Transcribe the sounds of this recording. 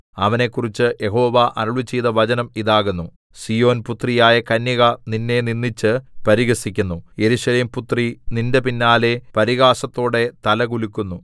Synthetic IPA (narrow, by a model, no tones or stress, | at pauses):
ɐʋɐne̞kːurit͡ɕːɨjʔe̞ɦo̞ːʋɐʔɐɾɐɭʋit͡ɕːejðɐʋɐd͡ʑɐnɐmiðaːɣunːu | sijo̞ːnput̪rijaːjɐkɐnjɐɣɐninːe̞ninːit͡ɕːɨpɐɾiɣɐsikʲːunːuje̞ɾuːʂɐleːmput̪rininde̞pinːaːlepɐɾiɣaːsɐt̪ːo̞ːɽe̞t̪ɐlɐkulikʲːunːu